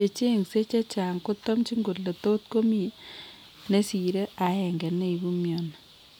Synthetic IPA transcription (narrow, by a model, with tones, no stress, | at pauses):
e˨t͡ʃe˦˨ŋse˦t͡ʃe˦t͡ʃa˨ŋkʊ˦tɔ˦mt͡ʃi˦ŋɡo˨tle˨to˦tko˦mi˦ | ne˦si˨ɾe˦a˨ɛ˨ŋɡɛ˨ne˦i˨bu˦mjɔ˨na˨